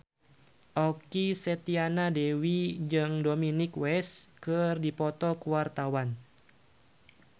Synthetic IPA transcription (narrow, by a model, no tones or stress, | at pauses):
ʔɔkisɛt̪ianadɛwid͡ʒɨŋdominikwɛskɨrdipɔt̪ɔkuwart̪awan